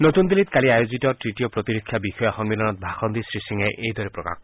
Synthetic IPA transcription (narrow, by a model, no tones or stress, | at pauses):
not̪und̪ilit̪kaliajod͡zitɔʈɾiʈijopɾɔt̪iɾɔkʰːjabixɔjɔhɔŋmilɔnɔt̪̚bʱaxɔnd̪isɾisiŋaejd̪ʱɔɾepɾɔka̰k